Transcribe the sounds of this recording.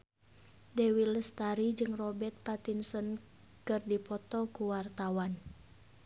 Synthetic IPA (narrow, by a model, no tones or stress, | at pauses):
dɛwiləst̪aɾid͡ʒɨŋrɔbɛt̪̚pat̪insɔn | kɨrdipɔt̪ɔkuwart̪awan